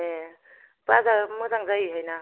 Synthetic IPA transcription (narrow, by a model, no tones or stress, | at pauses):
e | bazamɯzaŋzajiɦajna